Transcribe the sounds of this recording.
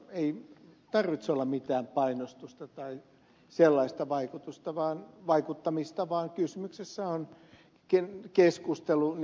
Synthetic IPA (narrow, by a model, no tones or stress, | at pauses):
eit̪ɑrʋit̪solːɑmit̪æːmpɑinost̪ust̪ɑt̪ɑi | selːɑist̪ɑʋɑikut̪ust̪ɑʋɑːnʋɑikut̪ːɑmist̪ɑʋɑːŋkysymyksesːæon | kekeskust̪elu